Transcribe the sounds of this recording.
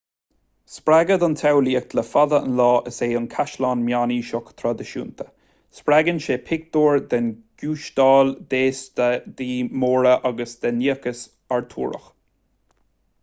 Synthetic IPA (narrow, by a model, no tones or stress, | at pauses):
spɾaɡəd̪ant̪ʰawliːək̚d̪ləfaðəə̰nlɑːʔəseːʊnkʰaʃlɑːnmjaːniːʃʊkt̪ʰɾɔd̪əʃṵːnt̪ʰə̥ | spɾaɡənʃeːpʰɪɡ̚d̪oːɹd̪ɛnɡ̥juːʃd̪ɑːld̪eːsd̪iːmoːɹəʔaɡəsd̪ɛniːəkəs | aɹt̪ʰṵːɾə̰x